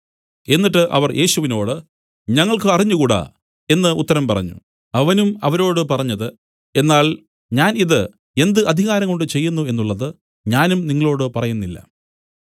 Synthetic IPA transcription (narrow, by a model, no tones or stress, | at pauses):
e̞nːiʈːɨʔɐ̰ʋɐrjʔe̞ːɕuʋino̞ːɽɨ | ɲɐŋːɐɭkɨɐriɲːukuːɽɐ̰ | e̞nːɨʔṵt̪ːɐɾɐmpɐrɐ̰ɲːṵ | ɐʋɐnumɐʋɐɾo̞ːɽɨpɐrɐɲːɐðɨ | e̞nːaːɭ | ɲaːniðɨ | e̞nd̪ɨʔɐd̪ʱiɣaːɾɐŋko̞ɳɖɨt͡ɕe̞jːunːue̞nːuɭːɐðɨ | ɲaːnumniŋːɐɭo̞ːɽɨpɐrɐjunːilːɐ̰